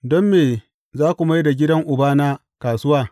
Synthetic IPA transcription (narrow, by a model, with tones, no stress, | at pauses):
dɔ˦mːeː˨ | zaː˦kʷu˨ma˦jda˨ɡʲɪ˦dɐ˦ŋʔʊ˨baː˦na˦ | kaː˨sʊ˦waː˦˨